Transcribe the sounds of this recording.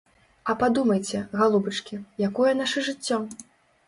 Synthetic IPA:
ɐpad̪umɐjt͡sʲɛɣalˠubɐt͡ʂkʲijakɔjɛnaʂɨʐɨt͡sʲːɔ

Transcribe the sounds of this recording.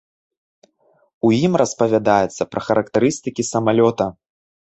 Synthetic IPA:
ujimrʔɐspɐvʲad̪ajɛt̪sːɐpɾʔɐxɐɾʔɐkt̪ɐɾɨst̪ɨkʲisɐmalʲɔt̪ɐ

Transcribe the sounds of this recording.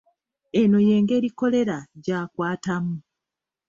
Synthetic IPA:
e̞no̞je̞ːŋɡe̞ːɾiko̞le̞ɾaɟaːkwaːtamu

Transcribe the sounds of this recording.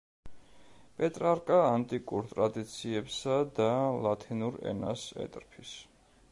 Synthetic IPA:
pʼɛt̪ʼɾaɾkʼaːnt̪ʼikʼuɾt̪ʼɾad̪it̪sʰiɛpsad̪alˠat̪ʰinuɾɛ̰na̰sɛ̰t̪ʼɾpʰis

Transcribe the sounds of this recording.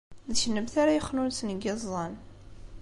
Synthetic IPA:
ðʃənːəmθaɾajəχnunsnɡezˤːɑn

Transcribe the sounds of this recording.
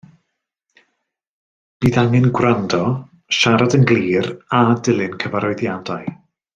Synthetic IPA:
b̥iːðaŋɨnɡwrandɔ | ʃaɾadənɡliːradɪlˠɨnkʰəvaɾɔɨðjadaɨ

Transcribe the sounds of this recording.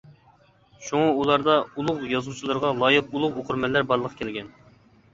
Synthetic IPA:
ʃuŋɑulˠɑɾd̪ɑulˠʊqjɑzut͡ʃʰilˠɑɾʁɑlˠɑjɪq̚ulˠʊqoqʰʊɾmɛlːæɾbɑɾlˠəqʰə̥kʲʰɪlɡʲɛn

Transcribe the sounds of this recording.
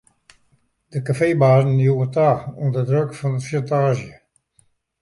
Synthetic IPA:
d̥əkafeːbaːzn̩juətaːɔndədrøkfɔnətʃantaːʒjə

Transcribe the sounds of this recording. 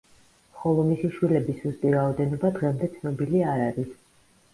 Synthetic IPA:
χɔlˠɔmisiʃwilɛbisust̪ʼiɾaɔd̪ɛnɔbad̪ʁɛmd̪ɛt̪sʰnɔbiliaɾaɾis

